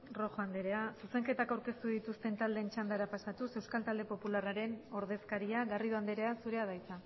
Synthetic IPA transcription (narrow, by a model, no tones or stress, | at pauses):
ro̞xoand̪eɾe̞asuse̞ŋke̞t̪akawɾke̞st̪uðit̪ust̪e̞nt̪ald̪eːnt͡ʃand̪aɾapasat̪use̞wskalt̪ald̪e̞po̞pularaɾe̞no̞ɾð̞e̞skaɾiaɣariðoand̪eɾe̞asuɾe̞aðajt͡sa